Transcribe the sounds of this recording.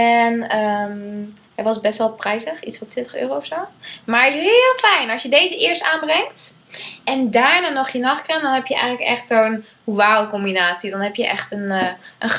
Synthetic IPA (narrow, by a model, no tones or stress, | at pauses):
ɛnəm | hɛʋɑsbɛstʋɛlˠprɛjsəχitsfɔntʋɪntəχø̰ːrowɔfsowmaːɹɪsɦɪlˠfɛjnɑlsjədejzəʔɪːɹstaːnbrɛŋkt | ɛndaːɹnaːnɔχjənɑχkrəndɔnɦɛpjəʔɛ̰jχənləkɛχtsown | ʋawkɔmbinaːtsidɔnɦɛpjəʔɛ̰χtənːʔən